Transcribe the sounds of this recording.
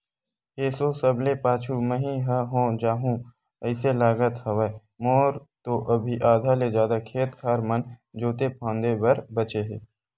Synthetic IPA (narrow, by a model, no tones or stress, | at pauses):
eːsoːsɐblepaːt͡ʃʰuməɦĩɦəɦõːd͡ʒaːɦũ | əɪselaːɡət̪hɐʋa | moːɾt̪oʔɐbʱiʔaːd̪ʱaled͡ʒjaːd̪akʰeːt̪kʰaːɾmənd͡ʒoːt̪epʰãːnd̪ebɐɾbɐt͡ʃeɦeː